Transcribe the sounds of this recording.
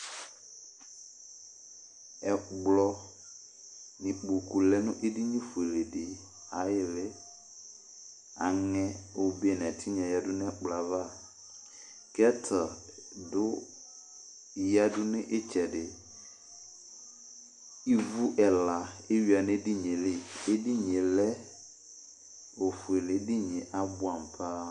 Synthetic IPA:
ɛ˨ɡ͡blɔ˦ | nɪ̃˨k͡po˨ku˨lɛ˦nʊ̰̃˦ʔe˦di˦ɲĩ˦fu˨e˨le˨dɪ˨ | a˨jɪ˨lɪ˦ | a̰˨ŋɛ̃˦o˨be˦˨n˨ɛ̃˨tʰɪ˦ɲ˨ɛ̃˨ja˨dʊ˦nɪ˦ɛ˦k͡pla˨va˦˨ | kɛ˦tʰa˨dʊ˦˨ | ja˦dʊ˦nɪ̃˦ʔɪ˦t͡ʃʰɛ˨dɪ˨ | i˦vu˦ʔɛ˨la˨e˦ɥi˦a˨nɪ̃˦di˦ɲɪ̃˨lɪ˦e˦di˦ɲɪ̃˨lɛ˦ | o˨fu˨e˨le˨˦di˦ɲɪ̃˨ʔa˦bʊ˦a˨m˨pʰa˦

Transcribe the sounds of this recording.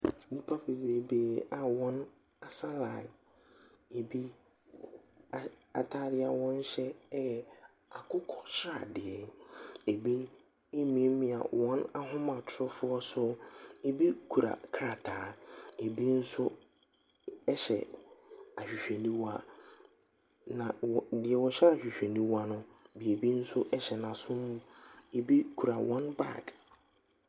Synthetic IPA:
nĩ˦pʰa˦be˨bɾe˨beː˦˨a˨wɔ̃˦n | a˨sa˦la˨ | e˨bi˦˨ | a̰˨tʰa˦ɾɪ˦a˨wɔ̃˦n˦ɕɛ˦jɛ˨ | a˨kʰʊ˦kʰɔ̥˨ɕɪ˦ɾa̰˨dɪ˨ɛ˨e˨bi˦ | e˦mĩ˨˦mĩ˨a̰˨wɔ̃˦na˦ɦʊ̃˦mã˨tʰʊ˨ɾʊ˦fʊ˦ɔ˦sʊ˦e˦bi˦kʰu˨ɾa̰˨kʰɾa˨tʰaː˨˦e˨bi˦n̩˦sʊ˦ | ɛ˦ɕɛ̰˨ | a˨ɕᶣi˨ɕᶣe˨nĩ˦wa˦ | nã˨ɔ˨dɪ˨ɛ˨wɔ˨ɕɕᶣi˨ɕᶣe˨nĩ˦wa˦nʊ̃˦bi˨e˨bi˦n̩˦sʊ˦ʔɛ˦ɕɛ˨nã˨sʊ̃˦mːũ˦e˨bi˦kʰu˨ɾa˨wʔɔ̃˦nba̰˦˨k

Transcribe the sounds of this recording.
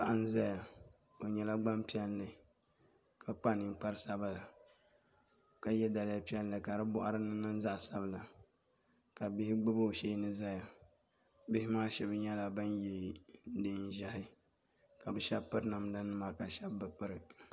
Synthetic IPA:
pa˨ʔa˦n̩˦za˦ja˨ | o˨ɲɛ˦la˦ɡ͡ba˦mpi˦ɛ˦lːɨ˨ | kʰa˨k͡pa˦nɨ˨ŋ˦k͡pa˦ɾɨ˦sa˦ba˦la˨ | ka˨jɛ˦da˨lɪ˦ja˦pi˦ɛ˦lːɨ˨ka˨ɾɨ˦bʊ˦ʔa˦ɾɨ˦nɨ˦nɨ˦n˦za˦ʔsa˦bla˨ | ka˨bɪ˦hɪ˦ɡ͡bɨ˦bɨ˦˨ʃe˦nɨ˦za˦ja˨ | bɪ˦hɪ˦maː˦ʃɛ˦bɲɛ˦la˨bɨ˦nji˦ldɨ˦n˦˨ʒa˦hɪ˦ | ka˨bɨ˨ʃɛ˦bpɨ˦ɾna˨m˦da˦nɨ˦ma˨ka˨ʃɛ˦bbɨ˨k͡pɨ˦ɾɨ˨

